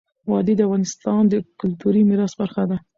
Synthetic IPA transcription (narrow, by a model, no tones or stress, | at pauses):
wɑd̪id̪əafɣɑnɪst̪ɑnd̪əkʊlt̪uɾimiɾɑsbaɾxad̪a